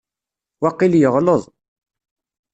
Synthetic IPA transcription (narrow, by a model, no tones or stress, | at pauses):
wɑqːiljəʁləðˤ